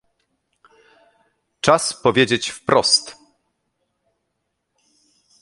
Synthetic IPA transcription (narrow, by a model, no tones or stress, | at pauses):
t͡ʂaspɔvʲjed͡ʑet͡ɕfpɾɔst̪